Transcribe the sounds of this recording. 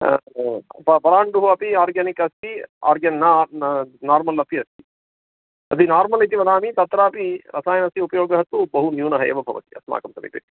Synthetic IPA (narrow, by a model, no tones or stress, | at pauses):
pɐpɐɾaːɳɖuɦuɐpiaːɾɡɐnikɐst̪ia̰ːɾɡɐna | naːɾmɐlɐpiɐst̪i̥ | ɐt̪inaːɾmɐlit̪̬iʋɐd̪aːmit̪ɐt̪ɾaːpiɾʔɐsaːjɐnɐst̪iupɐjoːɡjɐɦɐt̪ːubɐɦunjuːnɐɦɐjɐ̰ʋɐbʱɐʋɐ̰t̪i̥ɐsma̰ːkɐmsɐmḭp̪ɐ̰t̪i̥